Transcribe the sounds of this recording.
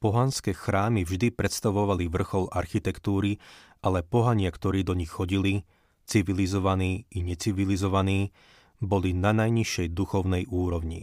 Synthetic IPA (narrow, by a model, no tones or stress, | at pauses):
pɔɦanskɛːxɾaːmivʒd̪ipɾɛt̪st̪aʋɔʋaliʋr̩xɔlaɾxit̪ɛkt̪uːɾiʔalɛpɔɦaɲɪakt̪ɔɾiːd̪ɔɲixːɔɟili | t͡siʋilizɔʋaniːiɲɛt͡siʋilizɔʋaniː | bɔlinanajɲiʃjɛjd̪uxɔʊnɛjuːɾɔʊɲi